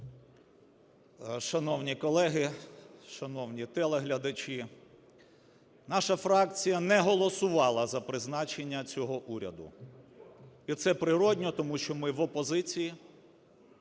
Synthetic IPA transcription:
ʃɐnɔwnʲikɔlˠɛɦɪʃɐnɔwnʲit̪ɛlˠeɦlʲɐd̪ɐt͡ʃi | nɑʃɐfɾɑkt͡sʲijɐnɛɦɔlˠɔsʊʋɑlˠɐzɐpɾɪznɑt͡ʃenʲːɐt͡sʲɔɦɔʔuɾʲɐ̰d̪ʊ̰ | it̪sɛpɾɪɾɔdʲnʲɔt̪ɔmuʃt͡ʃɔmɪʋɔpɔzɪt͡sʲiji

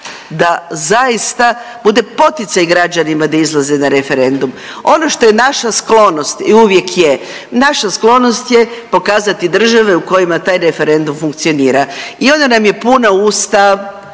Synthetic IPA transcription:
d̪azaist̪a | bud̪e̞po̞t̪ɪt̪sajɡɾad͡ʑanimad̪aizlˠazenaɾe̞fe̞ɾe̞nd̪um | o̞no̞ʃt̪o̞je̞naʃasklo̞no̞st̪iuʋje̞kje̞ | naʃasklˠo̞no̞st̪je̞po̞kaːzat̪id̪r̩ʒaʋe̞uko̞jimat̪aːjɾe̞fe̞ɾe̞nd̪umfuŋk̚t̪sio̞niːɾaio̞nd̪anamje̞punauːst̪a

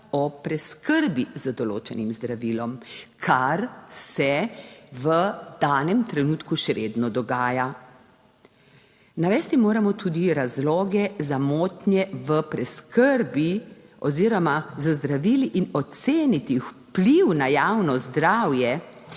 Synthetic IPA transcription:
ɔpɾɛskəɾbizəd̪ɔlo̰ːt͡ʃɛnimzd̪ɾaʋiːlɔmkʰaɾsɛʋəd̪̥aːnɛmt̪ɾɛnuːt̪kuʃɛʋeːd̪nɔd̪ɔɡaːja | naʋɛːst̪imoːɾamɔt̪ʰuːd̪iɾazlɔːɡɛzamoːt̪njɛʋəpɾɛskəɾbi | ɔziːɾɔmazəzd̪ɾaʋiːliʔinɔseːnit̪iwpliwnajaːwnɔzd̪ɾawjɛ

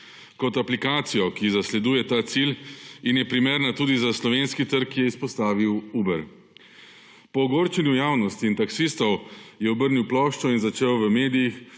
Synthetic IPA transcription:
kɔt̪aplikaːt̪sijɔkizaslɛd̪uːjɛt̪aːt̪silinjɛpɾimeːɾnat̪uːd̪izaslɔʋeːnskit̪əɾkjɛispɔst̪aːʋiwuːbɛɾ | pɔːɡoːɾt͡ʃɛnjujaːwnɔst̪iːnt̪aksist̪ɔwjɛɔbəɾniwplɔːʃt͡ʃɔinzat͡ʃeːwʋəmeːd̪ijix

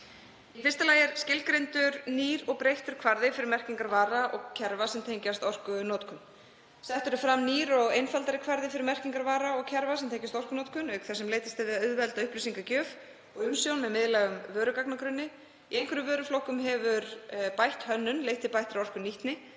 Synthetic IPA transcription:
ifɪrst̪alaːjɪɾ̥scɪlkɾejnt̪ʏɾniːɾɔɣpɾejht̪ʏɾ̥kʰvaɾðɪfɪɾɪɾmɛr̥ciŋkaɾvaːɾaʔɔ̰ɣcʰɛɾvasɛmt̪ʰejɲcast̪ɔr̥kʏnɔːt̪kʏn | sɛht̪ʏɾʏfɾamniːɾɔɣejnfalt̪aɾɪkʰv̥aɾðɪfɪɾɪɾmɛr̥ciŋkaɾvaːɾaɔɣcʰɛɾvasɛmt̪ejɲcast̪ɔr̥kʏnɔːt̪kʏnœɥkθɛsɛmleːjt̪ɪst̪avɪðaʏðvɛlt̪aʏhplisiŋkacœːf | ɔɣʏmsjownmɛðmɪðlɛːɣʏmvœːɾʏkaknakɾʏnːɪ | iejnkʰvɛɾʏmvœːɾʏflɔwhkʏmɦɛvʏɾpajht̪hœnːʏnlejht̪ɪpajht̪ɾaɔr̥kʏniht̪nɪ

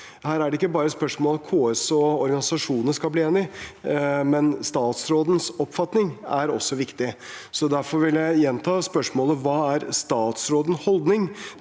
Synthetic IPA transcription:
hæːɾæɖɛɪkːəbɑːɾəspœʂmoːlkʰoːɛsoɔɾɡɑnɪsɑʂuːnəskɑlbliːeːnɪ | mɛnst̪ɑːt̪sɾoːd̪n̩sɔpfɑt̪nɪŋæɾɔ̰sːɔʋɪkt̪ɪsɔd̪æɾfɔɾʋɪljæɪjɛnt̪ʰɑːspœʂmoːləʋɑːæɾst̪ɑːt̪sɾoːd̪n̩hɔld̪nɪŋ

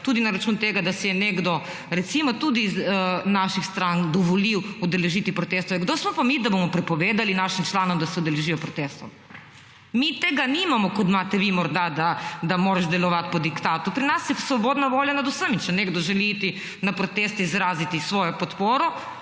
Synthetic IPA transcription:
t̪uːd̪inaɾat͡ʃunt̪eːɡad̪asɛjɛneɡd̪ɔ | ɾɛt̪simɔt̪ud̪izənaʃixst̪ɾaŋd̪ɔʋɔliwud̪ɛlɛʒit̪ipɾɔt̪eːst̪ɔjɛɡd̪oːsmɔpamid̪abomɔpɾɛpɔʋeːd̪alinaʃimt͡ʃlaːnɔmd̪asɛud̪ɛlɛʒijɔpɾɔt̪est̪ɔm | mit̪eːɡanimamɔkɔt̪maːt̪ɛʋimɔɾd̪ad̪ad̪amoːɾaʒd̪ɛlɔʋat̪pɔd̪ikt̪aːt̪upɾinasjɛsʋɔboːd̪naʋoːljanad̪usəmit͡ʃɛneɡd̪ɔʒɛliit̪i | napɾɔt̪eːst̪ɛizɾaːzit̪isʋoːjɔpɔt̪poːɾɔ

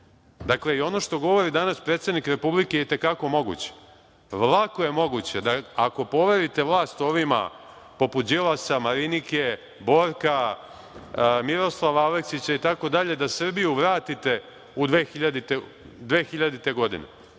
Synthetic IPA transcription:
d̪akle̞io̞no̞ʃt̪o̞ɡo̞ʋo̞ɾid̪anaspɾet̪sed̪nikɾe̞publike̞jet̪e̞kako̞mo̞ɡṵt͡ɕe̥ | ʋlˠako̞je̞mo̞ɡut͡ɕe̞d̪aako̞po̞ʋe̞ɾit̪e̞ʋlˠaːst̪o̞ʋima̰ | po̞put̪̚d͡ʑilasamaɾinike | bo̞ɾka | miɾo̞slˠaʋaaleksit͡ɕait̪ako̞d̪aʎe̞d̪asr̩bijuʋɾaːt̪it̪e̞ | ud̪ʋeːxiʎad̪it̪e | d̪ʋeːxiʎad̪it̪e̞ɡo̞d̪ḭnḛ

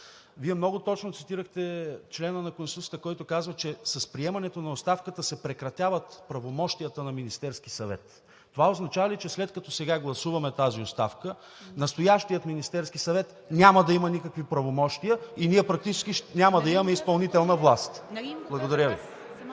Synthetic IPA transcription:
viɛmnɔɡot̪ɔt͡ʃnot̪sit̪iɾəxt̪ɛt͡ʃlɛnənɐkonst̪ut̪sʲə̥t̪əkɔjt̪okazvət͡ʃɛsɐspɾiɛmɐnɛt̪onɐost̪afkət̪əsɛpɾɛkɾɐt̪ʲjavət̪pɾɐvomɔʃt̪ijət̪ənɐminist̪ɛɾskisɐvɛ̰t̪ː | ovaoznɐt͡ʃavɐlit͡ʃɛslɛt̪̚kɐt̪ɔsɛɡaɡlˠɐsuvɐmɛt̪aziost̪afkə | nɐst̪ojaʃt̪ijət̪minist̪ɛɾskisɐvɛt̪ | nʲaməd̪ɐimɐnikəkvipɾɐvomɔʃt̪ijəiniɛpɾɐk̚t̪it͡ʃɛ̥skʲiʃnʲaməd̪ɐimɐmɛispɐlˠnit̪ɛlˠnɐvlˠast̪blˠɐɡod̪ɐɾʲəvi

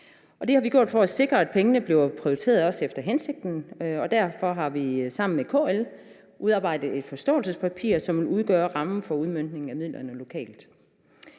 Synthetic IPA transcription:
ʔɒ̽d̥e̝hɑ̈ʋiɡ̥jo̝ɐ̰ðˠfɒæse̝ɡ̥ʁɐæd̥̚pʰeŋənəb̥le̝ʊpʰʁioit͡sʰe̝̰ːɐðˠɒ̽sefd̥ɐɦense̝ɡ̥̚d̥n̩ɒ̽d̥æɐfɒ̽ɦɑ̈ʋisɑ̈m̰n̩mekʰo̝̰ːel | ʔuð̞ˠɑ̈ːbɑ̈ɪ̰d̥ð̞̩ˠe̝d̥fɒ̽sd̥ɔ̰̽ːl̩səspʰæpʰḭɐ̰sɒ̽mʋe̝luð̞ˠɡ̥œːɐʁɑ̈mn̩fɒ̽uð̞ˠmøn̰d̥ne̝ŋ̩æmið̞̰ˠlʔɐnəlo̝kʰɛ̰ːld̥

